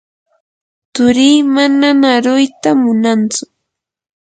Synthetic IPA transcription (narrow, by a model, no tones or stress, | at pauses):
t̪ʊɾiːmananaɾʊjt̪amʊnant͡sʊ